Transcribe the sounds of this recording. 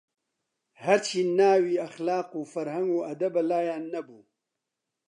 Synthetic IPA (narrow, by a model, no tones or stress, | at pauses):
haɾt͡ʃʰinaːwiaxlɑːqofaɾhaŋɡoad̪abalaːjaːnːabu